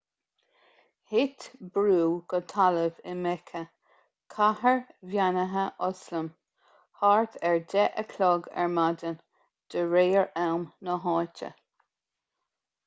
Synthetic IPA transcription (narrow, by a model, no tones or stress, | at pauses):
hɪt̪bɾuːɡ̥ət̪ʰaləvɪmɛkʰə | kʰahəɹvjanəɦəʔɔsləm | haɹt̪ʰɛɹdɛʔəkʰlɔɡɛ̰ɹmadən | d̪̥əɹeːəɹɛwmnəɦɔːtə̰